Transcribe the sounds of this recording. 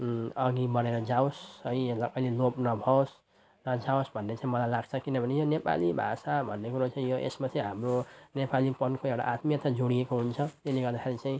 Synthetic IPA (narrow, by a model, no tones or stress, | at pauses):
ʌɡibʌneɾʌd͡zaosʌielaʌjlelopnʌbʱʌos | nʌd͡zaosbʱʌnːet͡saĩmʌlajlaɡ̚t͡sʰʌkinʌbʱʌnejonepa̰libʱa̰sabʱʌnːekuɾot͡saĩjoʔḛsmat͡saĩɦamronepalipʌnkʰoewʈa̰ʔat̪mijʌt̪ʌd͡zoɽiekoɦunt͡sʰʌt̪eleɡʌrd̪akʰeɾit͡saĩ